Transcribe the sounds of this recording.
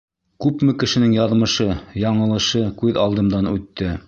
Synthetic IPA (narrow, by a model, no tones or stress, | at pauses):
kʉpmɘkɘ̆ʃɘ̆nɘŋjɑðmɤ̆ʃɤjɑɴɤ̆lˠɤ̆ʃɤkʉðɑlˠd̪ɤ̆md̪ɑnʉt̪ːɘ